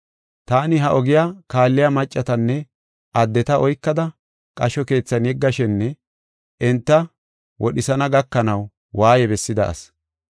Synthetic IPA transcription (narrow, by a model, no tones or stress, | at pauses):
t̪aːnɪɦɐʔɔɡɪjaːkaːlːɪjɐmɐt͡ʃʼːɐt̪ɐnːɛ | ʔɐd̪ːɛt̪ɐʔɔjkːɐd̪ɐ | kʼɐʃɔke̞ːt͡sːɐnjɛɡːɐʃɛnːɛ | ʔɛnt̪ːɐ | wɔɗɪsɐnɐɡɐkːɐnɐw | waːjɛbɛsːɪd̪ɐ̰ʔɐ̰s